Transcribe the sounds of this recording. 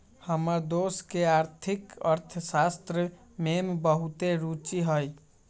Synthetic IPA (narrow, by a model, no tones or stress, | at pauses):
həməɾd̪oskeaɾt̪ʰikəɾt̪ʰsast̪ɾə | membəɦut̪eɾut͡ʃiɦəj